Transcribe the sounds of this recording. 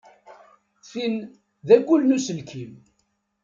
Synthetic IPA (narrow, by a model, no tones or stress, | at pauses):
fin | ðæɡʷʊlnusəlkʰim